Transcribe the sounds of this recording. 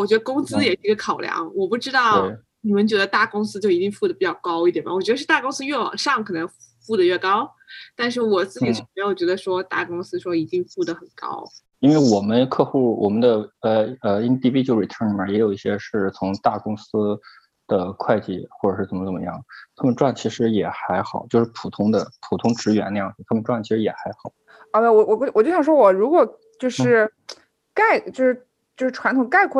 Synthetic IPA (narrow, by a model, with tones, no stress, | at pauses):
wɔ˨˩t͡ɕɥɛ˧˥d̪ə˧kʊ˥ŋsɹ̩˥jɛ˨˩ʂ̩˥˩˧ɡə˧kʰɑ˨˩ʊljɑ̰˧˥ŋwɔ˨˩pu˥˩ʈ͡ʂɻ̩˥t̪ɑ˥˩ʊe˥˩ | ni˨˩mə˧˦nt͡ɕɥɛ˧˥d̪ə˧t̪a˥˩kʊ˥ŋsɹ̩˥t͡ɕjo˥˩ʊi˧˥i˥˧ŋfu˥˩d̪ə˩pi˨˩t͡ɕjɑ˥˩ʊkɑ˥ʊi˥˩jɛ˨˩mʔɐ̰˩wɔ˨˩t͡ɕɥɛ˧˥d̪ʂɻ̩˥˩t̪a˥˩kʊ˥ŋsɹ̩˥ɥɛ˥˩wɑ̰˨˩ŋʂɑ˥˩ŋkʰɤ˨˩nə˧˥ŋfu˥˩d̪ə˩ɥɛ˥˩kɑ˥ʊ | t̪a˥˧nʂ̬ɻ̩˥˩wɔ˨˩t͡sɹ̩˥˩t͡ɕi˨˩ʂɻ̩˥˩me˧˥ɪjo˨˩ʊt͡ɕɥɛ˧˥d̪ə˧ʂwɔ˥t̪a̰˥˩kʊ˥ŋsɹ̩˥ʂwɔ˥i˧˥t̪i˥˧ŋfu˥˩d̪ə˩xə˨˩nkɑ̰˥ʊ | i˥nwe˥˩ɪwɔ˨˩mə˦nkʰɤ˥˧xu˥˩wɔ˨˩mə˦nd̪ə˧ə˧ə˧i˥t̪ʰi˥˧pi˥t͡ɕjo˥˩ʊɻi˨˩t̪ʰə˥n˨mə˨˩jɛ˧˥jo˨˩ʊi˥˩ɕjɛ˥ʂɻ̩˥˩t͡sʰʊ˧˥ŋt̪a˥˩kʊ˥ŋsɹ̩˥ | d̪̥ə˨kʰwa˥˧ɪt͡ɕḭ˥˩xwɔ˥˩ʈ͡ʂɤ˨˩ʂɻ̩ʰ˥˩ə˧˥mə˧t͡sə˨˩mə̰˧jɑ˥˩ŋt̪ʰa˥mə˨nʈ͡ʂwa˥˩nt͡ɕʰi˧˥ʂɻ̩˧˥jɛ˨˩xa˧˥ɪxɑ˨˩˦ʊt͡ɕjo˥˧ʊʂɻ̩˥˩pʰu˨˩t̪ʰʊ˥ŋd̪ə˨pʰu˨˩t̪ʰʊ˥ŋʈ͡ʂɻ̩˧˥ɥɛ˧˥na˥˧jɑ˥˩ŋ̩˨˩t̪ʰa˥mə˨nʈ͡ʂwa˥˩nt͡ɕʰi˥ʂɻ̩˧˥jɛ˨˩xa˧˥ɪxɑ˨˩˦ʊ | ə˧˥t̪wɛ˧˩wɔ˧˩wɔ˨˩˧wɔ˨˩t͡ɕo˥˩ɕjɑ˨˩ʂwwɔ˨˩ɻu˧˥kwɔ˨˩ | t͡ɕjo˥˧ʊʂɻ̩˥˩ | ka˥˩ɪt͡ɕjo˥˧ʊʂɻ̩˥˩ | t͡ɕjo˥˧ʊʂɻ̩˥˩ʈ͡ʂʰwa˧˥nt̪ʰʊ˨˩ŋka˥˩ɪkʰ